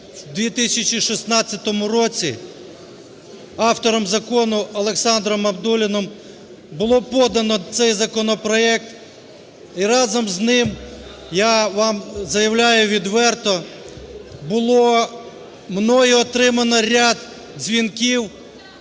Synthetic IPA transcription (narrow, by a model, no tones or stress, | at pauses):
d̪ʋʲit̪ɪsʲɐt͡ʃʲiʃisnɑt͡sʲːɐt̪ɔmʊɾɔt͡sʲi | ɑwt̪ɔɾɔmzɐkɔnʊɐlˠeksɑnd̪ɾɔmɐbd̪ulʲɪnɔm | bʊlˠɔpɔd̪ɐnɔt̪sɛjzɐkɔnɔpɾɔɛk̚t̪ | iɾɑzɔmznɪm | jaʋɑmzɐjɐwlʲajʊʋʲid̪ʋɛrt̪ɔ | bʊlˠɔ | mnɔjiɔt̪ɾɪmɐnɔɾʲad̪ | zʲʋʲinkʲiw